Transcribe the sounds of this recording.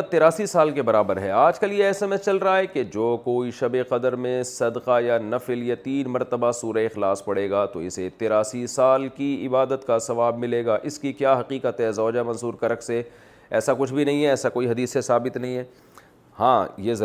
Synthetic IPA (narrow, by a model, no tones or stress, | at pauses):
t̪eːɾaːsisaːlkebɐɾaːbəɾɦɛːaːd͡ʒkɐljeɛːsɛmɛst͡ʃɐlɾɐɦaɦɛked͡ʒoːkoːiʃɐbeqɐd̪əɾmẽsɐd̪qajanɐfljat̪iːnmɐɾt̪əbasuːɾəɪxlaːspɐɽeːɡat̪o̰ɪ̰set̪eːɾaːsisaːlkiɪbaːd̪ət̪kasɐʋaːbmɪleːɡaːʔɪskikjaːɦɐqiːqət̪ɦɛzɔːd͡ʒamɐ̃nsuːɾkɐɾəkse | ɛ̰ːsakʊt͡ʃʰbʱinɐɦĩɦɛɛːsakoːiɦɐd̪iːsːesaːbɪt̪nɐɦĩɦɛː | hãːjezɐ